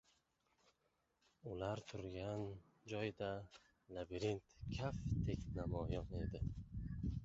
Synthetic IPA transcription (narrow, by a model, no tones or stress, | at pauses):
ulaɾt̪ʰuɾɡan | d͡ʒɔjd̪a | labiɾint̪kʰaft̪ʰeknamɔjɔned̪ɪ